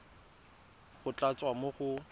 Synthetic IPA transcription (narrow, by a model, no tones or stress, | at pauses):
χʊt͡ɬʼat͡sʼwamoχʊ